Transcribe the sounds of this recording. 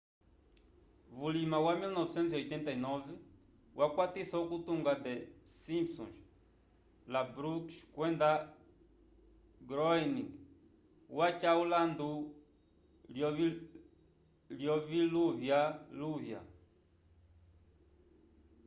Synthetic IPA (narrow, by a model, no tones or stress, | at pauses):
vulimawamilnɔvɛsɛnt̪ziɔjt̪ɛnt̪ainɔvɛ | wʔakwat̪isaukut̪uŋɡad̪ɛsimpsɔ̰̃nʃ | labɾukʃkwɛnd̪a | ɡɾɔɛniŋɡ | wat͡ʃauland̪u | ljɔ | ljɔviluvjaluvja̰